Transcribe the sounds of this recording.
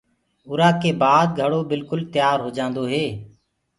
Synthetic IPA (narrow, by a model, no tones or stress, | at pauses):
ʊɾaːkeːbaːd̪̚ɡʱəɽoːbɪlkʊlt̪ɪjaːɾɦoːd͡ʒãːnd̪oːɦeː